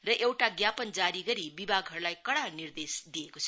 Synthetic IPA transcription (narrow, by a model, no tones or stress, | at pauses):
rʌʔewʈaɡjapʌnd͡zaɾiɡʌɾibibʱaɡɦʌɾulajkʌɽanird̪esd̪ijekot͡sʰʌ